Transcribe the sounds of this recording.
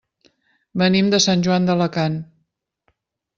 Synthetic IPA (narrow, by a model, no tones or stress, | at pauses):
bənimd̪əsanʲʒuand̪ələkan